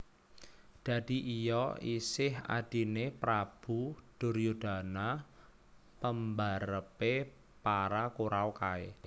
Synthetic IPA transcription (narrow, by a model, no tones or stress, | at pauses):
d̪̥ä̤d̥iʔijɔisɪɦa̰d̪̥i̤nepɾab̥ṳd̥ʊ̤ɾjud̪̥a̤na | pəmbaɾəpe | paɾakuɾaokae